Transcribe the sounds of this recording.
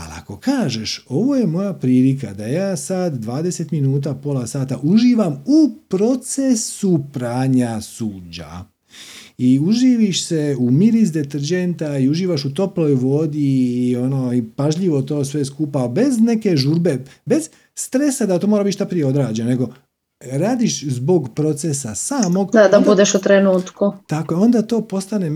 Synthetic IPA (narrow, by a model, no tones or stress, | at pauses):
a̰la̰ko̞kʰaːʒeʃo̞ʋo̞ːje̞mo̞japɾiːlika̰d̪ajaːsad̪d̪ʋaːd̪e̞se̞t̪minuːt̪̬apo̞lˠasaːt̪aʔuʒiːʋamupɾo̞t̪sesupɾaːɲasuːd͡ʑa̰ | iuʒiːʋiʃse̞umiɾizd̪e̞t̪eɾd͡ʒent̪aiuʒiːʋaʃut̪o̞plo̞jʋo̞d̪iːo̞noːipaʒʎiʋo̞t̪o̞ːsʋeskupabe̞zne̞ke̞ʒuɾbe̞be̞z | st̪ɾe̞sad̪at̪omoɾaːbit̪ʃt̪apɾijeo̞d̪ɾaːd͡ʑenneɡo̞ | ɾaːd̪iʃzbo̞ɡpɾo̞t̪sesasaːmo̞ɡd̪ad̪abud̪eʃut̪ɾenuːt̪kut̪akoeo̞nd̪at̪o̞ːpo̞st̪ane